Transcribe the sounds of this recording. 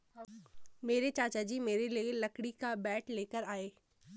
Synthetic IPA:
meːɾet͡ʃaːt͡ʃad͡ʒiːmeːɾelielɐkɽikabɛːʈleːkəɾaːeː

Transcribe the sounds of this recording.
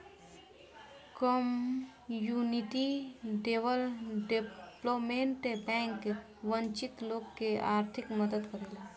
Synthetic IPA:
kɔm | juniʈiɖeʋəlɖeplomeɳʈebɛ̃ːŋke | ʋə̃nt͡ʃit̪loːɡkːeaːɾt̪ʰɪkməd̪əd̪kəɾeːla

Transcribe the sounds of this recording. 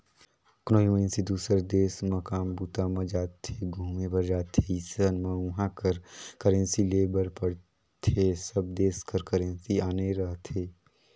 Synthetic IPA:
knoːimənsid̪uːsəɾd̪eːsmɐkaːmbuːt̪amə̃d͡ʒaːt̪ʰːeɡʱuːmebəɾd͡ʒaːt̪ʰːeisənmə̃ũɦãkəɾkəɾə̃nsileːbəɾpəɽ | t̪ʰesəb̚d̪eːskəɾkəɾə̃nsiaːneɾəɦt̪ʰeː

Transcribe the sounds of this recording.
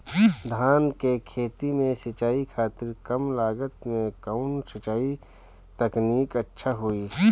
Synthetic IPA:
d̪ʱaːnkekʰeːt̪imẽsɐt͡ʃaːikʰaːt̪ɪɾkəmlaːɡət̪mẽkaʊnsɪt͡ʃaːi | t̪əkniːkətːʃʰaɦoiː

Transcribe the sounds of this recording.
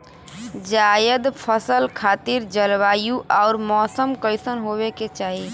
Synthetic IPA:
d͡ʒaːjəd̪pʰəsəlkʰaːt̪iɾd͡ʒəlʋaːjuʔɔːɾmɔːsəmkəɪsənɦoβeket͡ʃaːɦi

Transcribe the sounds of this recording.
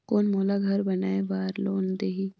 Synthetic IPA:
koːnmoːlaɡʱɐɾbɐnaːeʋaːɾloːnd̪eɦi

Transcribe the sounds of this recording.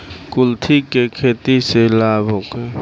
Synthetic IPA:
kʊlt̪ʰikekʰeːt̪iselaːbʱɦokeː

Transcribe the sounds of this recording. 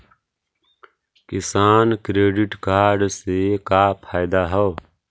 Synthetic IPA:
kɪsaːnkɾeːɖɪʈkaːɾɖsekaːpʰaːɪd̪aɦɔː

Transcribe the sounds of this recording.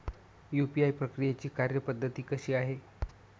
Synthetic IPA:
jupiajpɾəkɾijet͡ɕiːkaɾjəpəd̪ʱːət̪iːkəɕiːaɦe

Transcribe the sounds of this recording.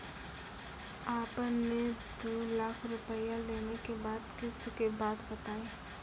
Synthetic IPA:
aːpned̪olaːkʰɾʊpəjaleːnekebaːd̪kɪskebaːd̪bɐt̪aːeː

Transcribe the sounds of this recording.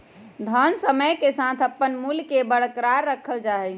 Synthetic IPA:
d̪ʱənsəməjkesat̪ʰəpːənmulkebəɽ̤kɾaɾːəkʰəld͡ʒaɦɛ

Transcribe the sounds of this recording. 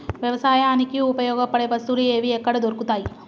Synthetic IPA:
ʋjɐʋɐsaːjaːnikiupɐjɔːɡɐpɐɽeʋɐst̪ulueːʋiɛkːɐɽɐd̪oɾukut̪aːji

